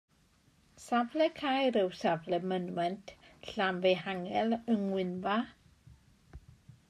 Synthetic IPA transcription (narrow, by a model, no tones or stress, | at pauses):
savlɛkʰajɾɨwsavlɛmənmɛntʰɬamvejhaŋɛləŋwɪnva